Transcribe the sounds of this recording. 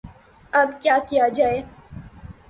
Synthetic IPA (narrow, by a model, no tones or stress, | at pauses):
ɐbkjaːkijad͡ʒaːeː